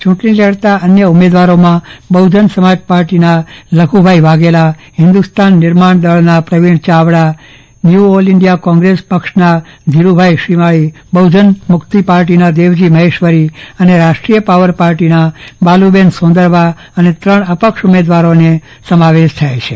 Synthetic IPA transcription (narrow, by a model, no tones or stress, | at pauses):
t͡ʃũʈnileɽt̪aənjəumed̪ʋaɾomãbəud͡ʒənsəmad͡ʒpaɾʈinaləɡʱubʱaiʋaɡelaɦɪ̃nd̪ust̪anːɪɾmaɳd̪əɭnapɾəʋiɳt͡ʃaʋɽa | njuolɪɳɖijakɔ̃ŋɡɾespəkʃnad̪ʱiɾubʱajʃɾimaɭibəwd͡ʒənmʊkt̪ipaɾʈinad̪eʋd͡ʒiməɦeʃʋəɾiəneɾaʃʈɾijəpaʋəɾpaɾʈinabalubensõnd̪əɾʋa | ənet̪ɾəɳəpəkʃumed̪ʋaɾone | səmaʋeʃt̪ʰajet͡ʃʰe